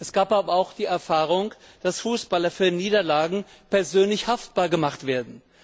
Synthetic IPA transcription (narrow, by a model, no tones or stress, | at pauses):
ʔɛsɡ̥aːpʔaːbɐaʊxd̥iːɛɐfaːʁ̞ʊŋ | d̥asfuːsb̥alɐfyːɐniːdɐlaːɡŋ̩ | pɛɐzøːnlɪçhaft̚b̥aːɐɡəmaχtv̥eːɐdn̩